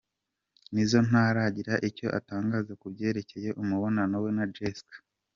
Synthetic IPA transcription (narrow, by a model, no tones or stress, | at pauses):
nizo̞n̥haːɾaɟiɾaʔico̞ʔa̰taːŋɡaːzakubɟe̞ːɾe̞ce̞je̞ʔumuβo̞nano̞we̞nad͡ʒeskḁ